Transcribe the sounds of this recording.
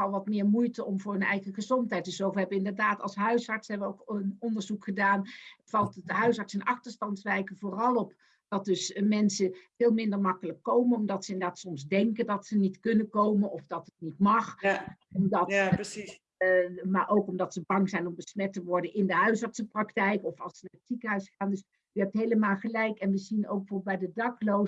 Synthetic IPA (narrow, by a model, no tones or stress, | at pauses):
ɑlˠʋɑtmɪːɹmujtəɔmvʊːɹɵnɛ̰jχəχəzɔntɦɛjt̚dəsowvɦɛbəʋəɪndəɹdaːtɑ̰lˠsɦœɥsɑɹtsɦɛbəʋəowkənɔndəɹzukχədaːnv̥ɑlˠtətɦœɥsɑɹtsɪnɑχtəɹstɑntsʋɛjkəvoːrɑlˠɔp | d̥ɑt̚dɵsmɛnsəv̥eːlˠmɪndəɹmɑkələkːowmənɔmdɑtsəɪnədaːtsɔmzdɛŋkədɑtsənitkɵnəkowmənɔfdɑtətnitmɑχɔmdɑt | maːɹʔowkɔmdɑtsəbɑŋzɛjnɔmbəsmɛtəʋɔɹdənɪndəɦœɥsɑɹtsəprɑktɛjkɔfɑlˠsənaːrətsikəɦœɥsχaːndøs | yɦɛp̚tɦejləmaːlˠχəlɛjkɛnʋəzino̰wɡ̚bəfoːbəbɛjdədɑklow